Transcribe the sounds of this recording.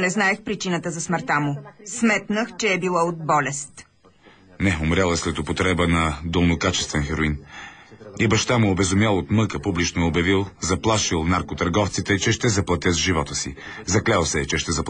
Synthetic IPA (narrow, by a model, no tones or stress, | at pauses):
nɛznaɛxpɾit͡ʃinət̪əzɐsməɾt̪amusmɛt̪nəxt͡ʃɛːbilˠaod̪̚bɔlʲɛst̪ | nɛomɾʲjalˠɛslɛt̪opot̪ɾɛbənɐd̪olˠnokat͡ʃɛ̥st̪vɛnxɛɾoin | ibɐʃt̪amʊobɛzʊmjalˠot̪mɤkəpublit͡ʃnoɛobjɐvilˠzɐplˠaʃilˠnaɾkot̪ɐɾɡɔft̪sit̪ɛt͡ʃɛʃt̪ɛzɐplˠɐt̪ʲjəzʒivɔt̪əsi | zɐklʲalˠsɛt͡ʃɛʃt̪ɛzɐp